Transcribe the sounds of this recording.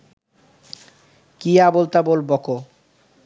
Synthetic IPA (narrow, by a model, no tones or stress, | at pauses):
kiabolt̪abolbɔko